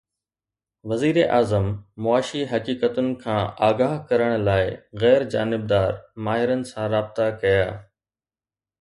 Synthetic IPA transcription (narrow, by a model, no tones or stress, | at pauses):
ʋɐziːɾeʔaːzəmːʊaːʃiɦɐkiːkət̪ʊnɪ̆kʰãːaːɡaːɦkɐɾəɽ̃̆laːɪɣɛːɾd͡ʑaːnɪb̚d̪aːɾmaːɦɪɾənɪ̆sãɾaːbɪt̪akɐjaː